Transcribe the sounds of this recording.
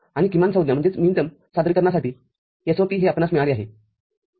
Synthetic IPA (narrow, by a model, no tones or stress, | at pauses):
aɽ̃ikimansəwd̪jam̤əɳd͡zet͡smint̪əm | sad̪ɾikəɾɳasaʈiː | esopiːɦeapnat͡smɛɭaliːaɦe